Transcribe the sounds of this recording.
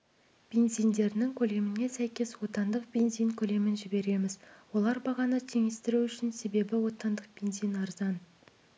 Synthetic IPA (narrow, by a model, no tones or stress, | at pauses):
b̥e̞nzijnd̪e̞ɾɪnɪŋkʲʰɵle̞mɪne̞sæjkʲe̞swo̞t̪ɑnd̪əq̚b̥ʲe̞nzijŋkʲʰɵle̞mɪnʒɪbe̞ɾe̞mɪzwo̞lˠɑɾbɑʁɑnət̪ʰe̞ŋe̞st̪ɪɾuʏʃɪnse̞be̞bɪwo̞t̪ɑnd̪əq̚b̥e̞nzijnɑɾzɑn